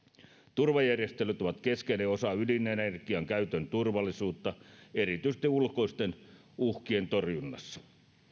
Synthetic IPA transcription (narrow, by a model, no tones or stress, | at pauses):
t̪urʋɑjærjest̪elyt̪oʋɑt̪keskeneosɑylinːˑenerkˑiɑŋkæyt̪ønt̪urʋɑlːˑisuːt̪ːɑerit̪yisest̪iulko̞ist̪en | uhkient̪orjunːɑ̰sːɑ̥